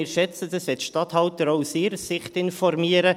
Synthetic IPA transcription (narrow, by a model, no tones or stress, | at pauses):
ɪɾʃɛt͡səd̥əsʋɛtʃtɑthɑltəɾoʊsɪɾəsɪχtɪnfɔrmiəɾə